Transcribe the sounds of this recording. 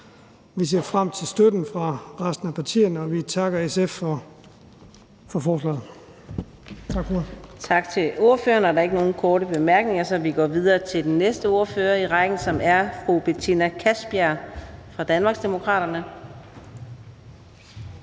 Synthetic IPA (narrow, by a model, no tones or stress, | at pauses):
ʋise̝ɐ̰fʁam̰t͡sʰe̝lsd̥ød̥n̩fʁɑ̈ʁasd̥n̩æpʰɑ̈t͡sʰḭːn̩ɒʋit͡sʰɑ̈ɡ̥ɐesef | fɒ̽fɒːslɛ̰ːð̩ˠ | t͡sʰɑɡ̥ft͡sʰɑ̈ɡ̥t͡sʰe̝lo̝ɐfø̰ːɐnæɐdɑ̈e̝ɡ̥əno̝ːn̩kʰɒːɾəb̥e̝mæɐɡ̥ne̝ŋɐsɒ̽ʋiɡ̥ɒ̰ːʋið̞ˠɐːt͡sʰe̝ld̥enːesd̥əo̝ːɐføːɐiʁɑ̈ɡ̥n̩sɒ̽mæɐfʁub̥et͡sʰinækʰæsb̥iæfʁɑ̈d̥ænmɑ̈ɡsd̥e̝mo̝kʰʁɑ̰ːɾ̥ɐnə